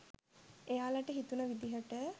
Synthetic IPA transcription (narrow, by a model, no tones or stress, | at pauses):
ejaːlaʈəɦit̪unəʋid̪iɦəʈə